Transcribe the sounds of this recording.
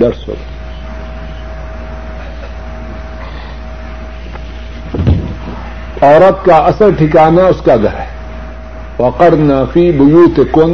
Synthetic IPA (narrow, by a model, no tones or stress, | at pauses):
ɖɐɾso̰ | ɔːɾət̪̚kaɐsəɾʈʰɪkaːnaʊskaɡʱɐɾɦɛ | wɐqɐɾnaːfibʊjuːt̪ekon